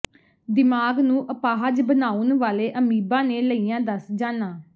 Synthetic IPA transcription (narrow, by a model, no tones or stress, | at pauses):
d̪ɪmaːɡnũːʔəpaːɦəd͡ʒbənaːunʋaːleːʔəmiːbãːneːləiːjãːd̪əsd͡ʒaːnaː